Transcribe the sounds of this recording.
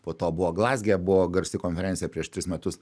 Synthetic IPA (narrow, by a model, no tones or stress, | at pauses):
poːt̪oːbʊʋoːɡlˠɑːzʲɡʲebʊʋoːɡɐɾʲsʲɪkoːnʲfʲɛɾʲɛnsʲɪjɛpʲɾʲiɛʃt̪ʲɾʲɪsmʲɛt̪ʊs